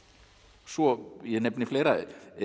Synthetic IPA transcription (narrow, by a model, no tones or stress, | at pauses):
sɔjɛnɛpnɪfleːjɾa